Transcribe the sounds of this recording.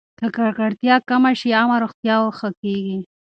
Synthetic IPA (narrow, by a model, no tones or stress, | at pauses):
t̪ʰəkaɾkaɽt̪jɑkamaʃiɑmaɾoxt̪jɑwxəkeɡi